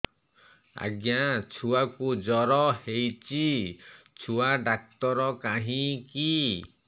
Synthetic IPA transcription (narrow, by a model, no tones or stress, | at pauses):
a̰ɡjat͡ʃʰuakud͡ʒɔɾɔhejt͡ʃi | t͡ʃʰuaɖak̚t̪ɔɾɔkaɦĩki